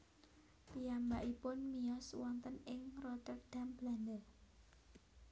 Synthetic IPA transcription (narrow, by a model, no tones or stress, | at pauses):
piambaʔipʊnmiɔswɔnt̪ənɪŋrɔt̪ərd̪̥a̤mb̥landə